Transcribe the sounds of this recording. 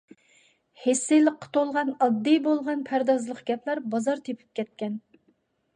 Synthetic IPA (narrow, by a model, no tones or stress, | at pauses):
hesːɨlˠəqʰːə̥t̪ʰolˠʁɑnɑd̪ːɨjbolˠʁɑnpʰæɾd̪ɑzlˠəqɡʲɛpʰlæɾbɑzɑɾt̪ʰepʰy̥p̚kʲʰɛt̪̚kʲɛn